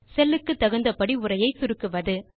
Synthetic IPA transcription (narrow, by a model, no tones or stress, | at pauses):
sɛlːɯkːɯt̪ːɐɣɯnd̪ɐpɐɽiʊɾɐjɐɪt̪ʊɾɯkːɯʋɐðɯ